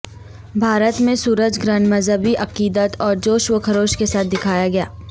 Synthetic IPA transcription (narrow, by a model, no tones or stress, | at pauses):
bʱaːɾət̪mẽsuːɾəd͡ʒɡɾənməzɦəbiʔɐqiːd̪ət̪ɔːɾd͡ʒoːʃʋəkʰəɾoːʃkesaːt̪̚ʰd̪ɪkʰaːjaɡɐjaː